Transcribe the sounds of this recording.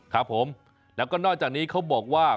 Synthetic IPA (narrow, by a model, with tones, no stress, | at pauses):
kʰa˦˥pʰːo˩˦m | lɛː˦˥wkɔː˥˩nɔː˥˩k̚t͡ɕaː˨˩k̚niː˦˥kʰa˦˥wbɔː˨˩k̚waː˥˩